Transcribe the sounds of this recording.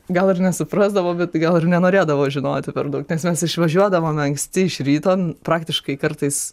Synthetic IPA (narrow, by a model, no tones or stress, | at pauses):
ɡɐlˠɪrnʲɛsʊpɾɑːzd̪ɐʋoːbʲɛt̪ɡɐlˠɪrnʲɛnoːɾʲeːd̪ɐʋoːʒʲɪno̰ːt̪ʲɪpʲɛɾd̪ɐʊknʲɛsmʲɛsɪʃʋɐʒʲuɔd̪ɐʋoːmɐŋksʲt̪ʲɪɪʃɾʲiːt̪oːnpɾɑːkt̪ʲɪʃkɐɪkɐɾt̪ɐɪs